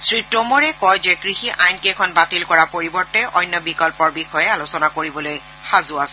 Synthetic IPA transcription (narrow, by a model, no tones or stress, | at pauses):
sɹitːomɔɹɛkɔjzekɹixiʔajnkekʰɔnbatilkɔɹapoɹibɔɹtɛʔɔjnːɔbikɔlpɔɹbixɔjɛalʊsɔnakoɹibɔloj | xazʊasɛ